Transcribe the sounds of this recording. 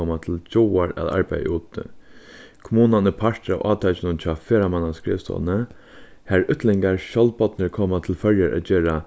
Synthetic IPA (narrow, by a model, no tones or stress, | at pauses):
ɔmat̪ʰɪlt͡ɕɔwaɹæ̰ða̰ɹpæ̰j̰ṵːt̪ə̰ | kʰʊmuːnanəpʰaɹt̪ɾa̰ʊʔɑ̰ːt̪ʰat͡ʃɪnʊnt͡ɕʰɑːfeːɾamanːaskɹḛːʋst̪ɔ̰lnə | hæɹʏt̪lɪŋkaɹɕɔlt̪pɔt̪nəɹkʰoːmat̪ʰɪlfœɹjaɾʔæ̰t̪t͡ʃeːɾa